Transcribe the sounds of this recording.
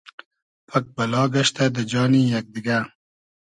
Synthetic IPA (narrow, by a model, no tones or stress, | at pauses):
pʰɐk̚bɐlɑːɡɐʃt̪ad̪əd͡ʒɑːnijak̚d̪ɪɡa